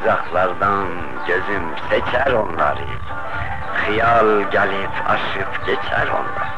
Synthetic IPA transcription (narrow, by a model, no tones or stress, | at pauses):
zɑχʰlaɾd̪ãn | ɡɛzimsɛt͡ʃʰæɾɔnlaɾḭɾ | χijalɡælitʰa̰ʃipʰɡ̥ɛt͡ʃʰæ̰ɾɔ̰nla̰